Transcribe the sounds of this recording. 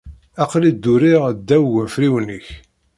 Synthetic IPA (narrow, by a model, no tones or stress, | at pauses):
æqlid̪ːʊɾiʁd̪ːæwwəfɾiwnəç